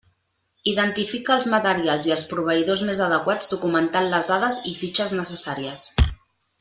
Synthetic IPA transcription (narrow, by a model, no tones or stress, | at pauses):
iðənt̪ifikəːlˠzmət̪əɾialˠziəlˠspɾuβ̞əiðozmezəð̞əkwad͡zd̪ukumənt̪anləzðaðəzifit͡ʃəznəsəsaɾiəs